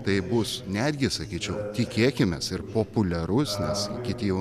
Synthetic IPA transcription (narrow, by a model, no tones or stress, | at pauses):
t̪ɐɪbʊsnʲæd̪ʲɡʲɪsɐkʲiːt͡ʃʲɛʊt̪ʲɪkʲeːkʲɪmʲɛsɪɾpoːpʊlʲɛɾʊsnʲɛskʲɪt̪ʲijɛʊ